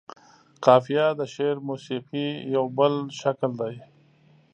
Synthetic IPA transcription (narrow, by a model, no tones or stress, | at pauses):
qɑːfijɑd̪əʃeɾmusiqijawbəlʃakld̪aj